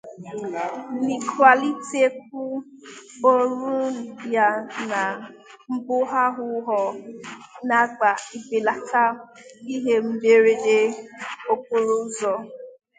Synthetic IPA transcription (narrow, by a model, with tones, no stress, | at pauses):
ni˨kwa˨li˦ti˦e˦k̚ʷu˦ | o˦ɾu˦˨dja˨na˨ | m̩˦bʊ˦ɦa˦ɦʊ˦ɦɔ˨ | na˦ɡ͡ba˨i˨be˨la˨ka˦i˦ɦe˦m̩˦be˦ɾe˦de˦o˦k̚u˦ɾu˦zɔ˨